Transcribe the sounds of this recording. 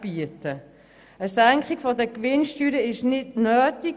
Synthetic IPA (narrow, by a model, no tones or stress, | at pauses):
b̥iətə | əsæŋkχiɡ̥fɔdəkʋɪnʃtyːɾəɪʃnɪdnœːti